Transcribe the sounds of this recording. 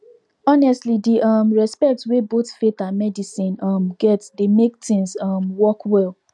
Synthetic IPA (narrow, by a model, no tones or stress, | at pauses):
ɔnɛstlidiʔʌmɹɛspɛk̚tweboθfetanmɛdisĩnʌmɡɛtsdemek̚tɪ̃nzʌmwɔkwɛlˠ